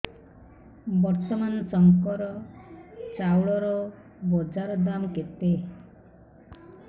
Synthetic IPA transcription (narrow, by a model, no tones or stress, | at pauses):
bɔɾt̪ɔmanɔsɔŋkɔɾɔ | t͡ʃawɭɔɾɔ | bɔd͡ʒaɾɔd̪amket̪e